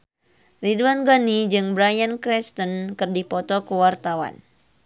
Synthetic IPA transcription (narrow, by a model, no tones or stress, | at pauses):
riduanɡanid͡ʒɨŋbɾajankɾɛst̪ənkɨrdipɔt̪ɔkuwart̪awa̰n